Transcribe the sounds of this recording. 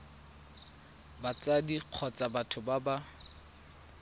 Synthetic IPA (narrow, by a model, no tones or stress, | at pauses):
bat͡sadiq͡χʰɔt͡sʼabatʰʊbaba